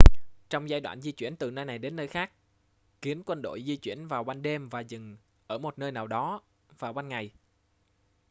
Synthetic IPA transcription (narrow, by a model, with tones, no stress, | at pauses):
t͡ɕɔ˧wŋ͡mzaː˧jɗwa̰ː˧˨nzi˧t͡ɕwḭ˧˩ənt̪ɨ˨˩nəː˧jna˨˩jɗe˨˦nːəː˧jxaː˦˥k̚ | ki˨˦ənkwə˧nɗo̰˧˨jzi˧t͡ɕwḭ˧˩ənvaː˨˩wɓa˧nɗe˧mvaː˨˩zɨ˨˩ŋ | ʔəː˧˩mo˨˩t̚nəː˧jnaː˨˩wɗɔ˨˦ | vaː˨˩wɓa˧nŋa˨˩j